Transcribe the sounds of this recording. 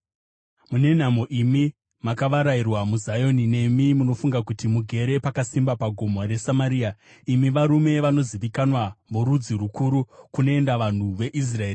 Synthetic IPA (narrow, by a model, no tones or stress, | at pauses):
mune̞n̤amo̞ʔimi | makaʋaɾairwamuzajo̞nine̞mimuno̞fuŋɡakutimuɡʱe̞ɾe̞pakasimbapaɡʱo̞moɾe̞samaɾiːa | imiʋaɾume̞ʋano̞ziʋikanwamuɾud͡ziɾukʰuɾukune̞endaʋan̤uʋe̞ʔis̬raeːri